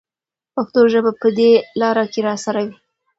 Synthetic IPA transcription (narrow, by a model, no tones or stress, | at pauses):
paxt̪oʒəbapəd̪elɑɾakeɾɑsaɾawi